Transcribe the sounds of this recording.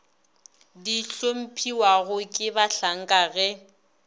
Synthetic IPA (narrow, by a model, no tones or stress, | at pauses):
diɬom̩pʼʰiwaɣʊkʼɪbaɬaŋ̩kʼaɣɛ